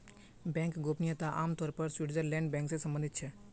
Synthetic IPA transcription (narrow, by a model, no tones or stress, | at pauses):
bɛ̃ːŋkɡoːpnijət̪aʔaːmt̪ɔːɾpəɾswiʈd͡ʒəllɛ̃ːɳɖbɛ̃ːŋksesə̃mbə̃nd̪ʱɪt̪̚t͡ʃʰɛ